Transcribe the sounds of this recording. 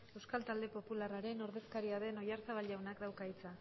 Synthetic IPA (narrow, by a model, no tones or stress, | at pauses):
e̞wskalt̪ald̪e̞po̞pularaɾe̞no̞ɾðe̞skaɾiaðe̞no̞jaɾt͡saβ̞alawnakd̪awkait͡sa